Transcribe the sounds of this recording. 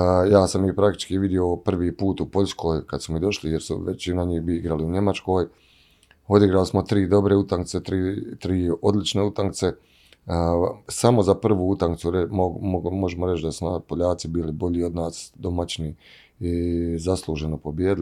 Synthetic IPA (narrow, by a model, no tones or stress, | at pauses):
jaːsamipɾakt̪i̥t͡ʃkiʋid̪jio̞pr̩ʋiːpuːt̪upo̞ʎʲskʰo̞ːjkad̪smumid̪o̞ʃlije̞ɾsṵʋet͡ʃinaɲiːhbiiɡɾaliuɲe̞mat͡ʃko̞ːj | o̞d̪iɡɾalismo̞t̪ɾiːd̪o̞bɾe̞ut̪aŋk̚t̪se̞t̪ɾiːt̪ɾiːo̞d̪lit͡ʃne̞ut̪aŋkt̪se̞ | samo̞zapr̩ʋuːut̪aŋkt̪suɾeomomo̞ʒemoɾe̞t͡ʃd̪asunapoʎaːt̪sibiːlibo̞ʎio̞d̪naːsd̪o̞mat͡ɕni | izaslˠuːʒe̞nopo̞bjeːd̪il